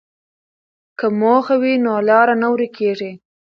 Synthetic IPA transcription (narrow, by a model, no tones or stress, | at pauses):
kəmoxawinolɑːɾanawɾikeʐi